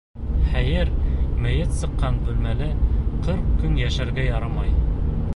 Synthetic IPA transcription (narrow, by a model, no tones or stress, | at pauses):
χæjɘɾmɘ̆jɘt̪sɤ̆qːɑnbɵ̆lmælɘqɤɾqkːɵnjæʃæɾɡæjɑɾɑmɑj